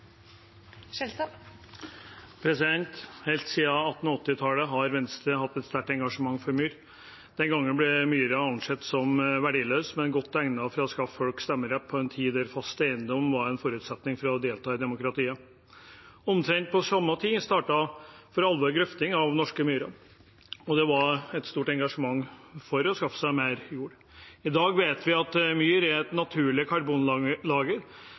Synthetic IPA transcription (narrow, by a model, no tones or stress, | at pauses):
pʰɾɛsɪd̪ɛnt̪hɛlt̪siːɑɑt̪ːn̩ɔt̪ːɪt̪ʰɑləɦɑɾʋɛnst̪ɾəhɑt̪ːɛt̪st̪æʈɛŋɡɑʂəmɑŋːfɔɾmyːɾ | d̪̥ɛnɡɑŋːənblɛmyːɾəɑnʂɛt̪sɔmʋæɖiːløːsmɛnɡɔt̪ːæŋnɑfɾɑskɑffɔlkst̪ɛmːəɾɛpʰːɔɛnt̪ʰiːd̪ɛɾfɑst̪æɪnd̪ɔmʋɑɾɛnfɔɾʉːt̪sɛt̪nɪŋfɔɾɔd̪eːlt̪ʰɑːd̪ɛmʊkɾɑt̪iːə | ɔmt̪ʰɾɛŋt̪̚pʰɔsɑmːət̪ʰiːst̪ɑːʈɑfɔɾɑlʋɔːɾɡlʏft̪ɪŋɑʋnɔʂkəmyːɾə | ɔd̪ɛʋɑɾɛt̪st̪uːʈɛŋɡɑʂəmɑŋːfɔɾɔskɑfə̥sæɪmeːɾjuːɾ | ɪd̪ɑːɡʋeːt̪ʋɪɑt̪myːɾɛɾɛt̪nɑt̪ʰʉːɭɪkʰɑɾbuːnlɑːɡə